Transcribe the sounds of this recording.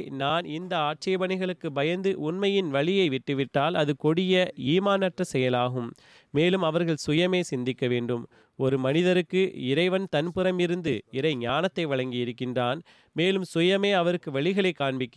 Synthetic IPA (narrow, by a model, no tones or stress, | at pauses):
naːnɪnd̪ɐaːʈ̚t͡ʃɐjɐbɐnɐɪɣɐɭɯkːɯbɐjɐnd̪ɯʔʊnmɐjɪnʋɐɭɪjɐɪʋɪʈːɯʋɪʈːaːlɐðɯkɔɽɪjɐiːmaːnɐʈrɐsɛjɐlaːɣɯmː | eːlɯmɐʋɐɾɣɐɭsʊjɐmeːsɪnd̪ɪkːɐʋeːɳɖɯm | ɔɾɯmɐnɪðɐɾɯkːɯɪɾɐɪʋɐnt̪ɐnpɯɾɐmɪɾɯnd̪ɯ̰ɪɾɐɪɲaːnɐt̪ːɐɪʋɐɻɐŋɡɪɪɾɯkːɪndraːn | meːlɯmsʊjɐmeːɐʋɐɾɯkːɯʋɐɭɪɣɐɭɐɪkːaːɳbɪkːɪ